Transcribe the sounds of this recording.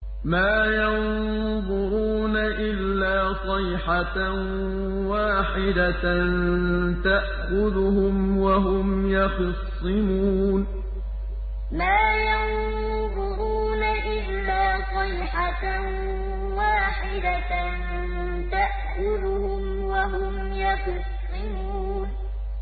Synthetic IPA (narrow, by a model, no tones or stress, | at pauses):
maːjɑn | ðˤʊɾuːnaʔɪlːaːsˤɑjħa | waːħɪd̪ant̪aʔ | xʊd̪ʊhʊmwaɦʊmjɑxsˤːɨmuːn | maːjan | ðʊɾuːnaʔɪlːaːsˤɑjħa | waːħɪd̪a | n | t̪aʔxʊd̪ʊhʊm | waɦʊm | jaxʊsˤːɨmuːn